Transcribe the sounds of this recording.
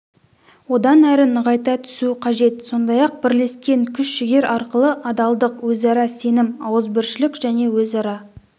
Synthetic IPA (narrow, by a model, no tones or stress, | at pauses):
wo̞d̪ɑnæɾɪnəʁɑjt̪ɑt̪ʰʏ̥suqʰɑʒe̞t̪so̞nd̪ɑjɑq̚bɪɾle̞skʲe̞ŋkʲʰʏʃʃɪɡʲe̞ɾʔɑɾqəlˠəʔɑd̪ɑlˠd̪əqwɵzɑɾɑse̞nɪmɑwəzbɪɾʃɪlɪkʒ̥æne̞wɵzɑɾɑ